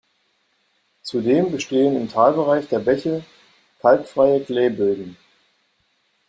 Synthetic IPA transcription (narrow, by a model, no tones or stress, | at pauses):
t͡sudeːmbəʃteːənɪmtʰaːlbəʁaɪçd̥eːɐbɛçə | kʰaltfʁ̥aɪəklɛːbɪldn̩